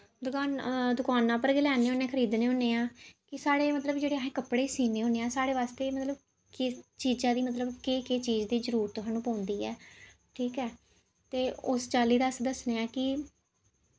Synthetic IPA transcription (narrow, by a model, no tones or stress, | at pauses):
d̪ʊkaːnd̪ʊkaːnãːpəɾɡɪlɛːneːõnẽːkʰəɾiːd̪neːɦʊ̃ːneːãːkɪsaːɽeːmət̪ləbd͡ʒeːɽeːəɦẽːkəpːɽeːsiːneːɦõːneːãːsaːɽeːʋaːst̪eːmət̪ləb | kɪt͡ʃiːd͡ʒãːd̪iːmət̪̬ləbkeːkeːt͡ʃiːzd̪iːzəɾuːɾt̪oɦaːnũːpãːʊnd̪iːɛ̰ː | ʈʰiːkɛː | t̪eːʊst͡ʃaːliːd̪əsd̪əsneːãːkɪ